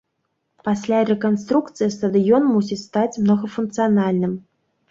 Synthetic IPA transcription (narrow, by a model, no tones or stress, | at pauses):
pasʲlʲaɾʲɛkanst̪ɾukt̪sɨjist̪ɐd̪ɨjɔnmusʲist̪at͡sʲmnɔɣɐfunk̚t̪sɨjanalʲnɨm